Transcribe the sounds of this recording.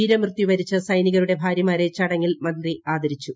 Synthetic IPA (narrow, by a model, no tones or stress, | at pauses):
iːɾɐmrɨt̪ːiʋɐɾit͡ɕːɨsɐjniɣɐɾuɽe̞bʱaːɾjɐmaːɾe̞t͡ɕɐɽɐŋːilmɐndriaːd̪ʱɐɾit͡ɕːu